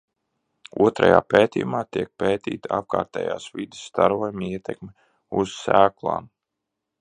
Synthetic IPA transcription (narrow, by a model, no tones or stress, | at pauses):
uɔt̪ɾa̰ja̰ːpeːt̪ʲijumaːt̪iɛk̚peːt̪iːt̪aap̚kaːɾt̪ɛ̰ːjaːsvid̪ɪ̥sːt̪aɾuːjamiɛt̪ɛkmi | uz̥sæːklˠa̰ːn